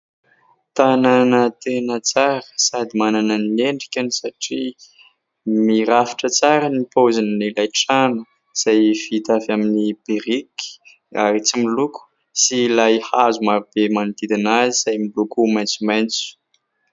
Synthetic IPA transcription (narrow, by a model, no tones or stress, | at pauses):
t̪ananət̪enət͡saɾə̥sad̪imanananineɳɖ͡ʐikʲanisaʈ͡ʂi | miɾafi̥ʈ͡ʂət͡saɾənipozanənilajʈ͡ʂanu | z̥ajfit̪avaminib̥eɾiki̥ | aɾit͡similuku̥ | silajhazumaɾub̥emanit̪id̪inaziz̥ajmilukumajnt͡sumajnt͡su̥